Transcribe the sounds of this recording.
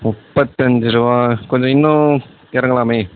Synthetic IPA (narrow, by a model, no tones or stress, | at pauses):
mʊpːɐt̪ːɐɲd͡ʒɯɾɯʋaːkɔɲd͡ʒɔ̃ɪnːʊ̃ | ɪɾɐŋɡɐɭaːmeː